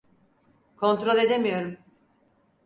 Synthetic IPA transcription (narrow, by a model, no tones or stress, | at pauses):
kʰo̞nt̪ɾo̞lʲe̞d̪e̞mijo̞ɾum